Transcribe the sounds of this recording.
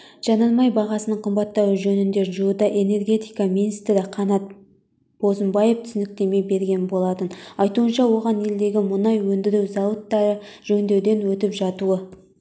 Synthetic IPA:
ʒ̥ɑnɑnmɑjbɑʁɑsənəɴqʰəmbɑt̪ːɑwʒɵnɪnd̪e̞ɾʒuəd̪ɑʔe̞ne̞rɡʲe̞t̪ijkɑminijst̪ɾɪqʰɑnɑt̪̚ | b̥o̞zəmbɑje̞ft̪ʰʏsɪnɪk̚t̪e̞me̞be̞ɾɡʲe̞nbo̞lˠɑt̪ənɑjt̪uənʃɑwo̞ʁɑne̞ld̪e̞ɡʲɪmʊnɑjwɵnd̪ɪɾɪwzɑwət̪ːɑɾə | ʒ̥ɵnd̪e̞wd̪e̞nwɵt̪ɪpʒɑt̪uwə

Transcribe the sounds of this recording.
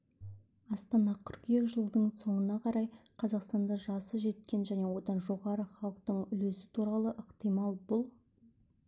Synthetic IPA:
ɑst̪ɑnɑqʰʏɾkekʒəlˠd̪əɴso̞ɴənɑqʰɑɾɑjqʰɑzɑqst̪ɑnd̪ɑʒɑsəʒe̞t̪kʲe̞nʒæne̞wod̪ɑnʒo̞ʁɑɾəχɑlˠəq̚t̪əɴʏle̞sɪ̥t̪ʰuɾɑlˠəʔəqt̪ijmɑlˠbʊlˠ

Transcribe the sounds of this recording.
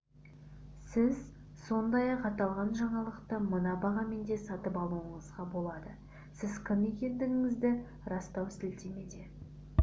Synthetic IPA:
sɪz | so̞nd̪ɑjɑqɑt̪ɑlˠʁɑnʒɑɴɑlˠəqt̪əmənɑbɑʁɑme̞nd̪e̞sɑt̪əpɑlˠuwəɴəzʁɑbo̞lˠɑd̪ə | sɪzkʲʰɪne̞kʲe̞nd̪ɪŋɪŋɪzd̪ɪ | ɾɑst̪ɑwsɪlt̪eme̞d̪e̞

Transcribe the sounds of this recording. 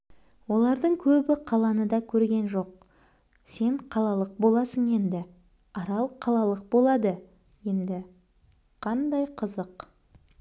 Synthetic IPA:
wo̞lˠɑɾd̪əɴkʲʰɵbɪqʰɑlˠɑnəd̪ɑkʲʰɵɾɡʲe̞nʒo̞q̚ | se̞ɴqʰɑlˠɑlˠəq̚bo̞lˠɑsənje̞nd̪ɪ | ɑɾɑlˠqʰɑlˠɑlˠəq̚bo̞lˠɑd̪ə | je̞nd̪ɪ | qʰɑnd̪ɑjqʰəzəq

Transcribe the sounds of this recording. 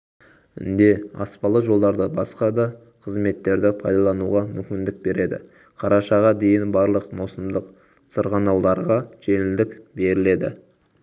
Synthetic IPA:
ɪ̰nd̪e̞ɑ̰spɑlˠəʒo̞lˠd̪ɑɾd̪əbɑsqɑd̪ɑ | qʰəzme̞t̪ːe̞ɾd̪ɪpʰɑjd̪ɑlˠɑnuʁɑmʏmkʲɪnd̪ɪk̚be̞ɾe̞d̪ɪ̰ | qʰɑɾɑʃɑʁɑd̪e̞jɪnbɑɾlˠəqmɑwsəmd̪əq | səɾʁɑnɑwlˠɑɾʁɑʒ̥e̞nɪld̪ɪkbe̞ɾɪle̞d̪ɪ̰

